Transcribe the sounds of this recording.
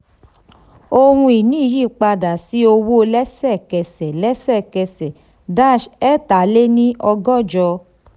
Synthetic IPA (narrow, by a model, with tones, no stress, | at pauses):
o˧hũ˧i˨nĩ˨˦˨ji˦˨k͡pa˧da˨si˦o˧wo˦˧lɛ˦sɛ˦˨kɛ˨sɛ˨lɛ˦sɛ˦˨kɛ˧sɛ˨ | da˦˨ʃɛ˦˨ta˨˦le˦nĩ˦ʔɔ˧ɡɔ˦˨d͡ʒɔ˧